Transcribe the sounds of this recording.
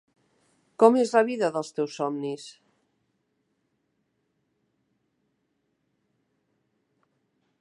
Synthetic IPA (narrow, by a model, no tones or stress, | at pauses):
kɔmezlaβiðəðəlˠst̪ewsɔmnis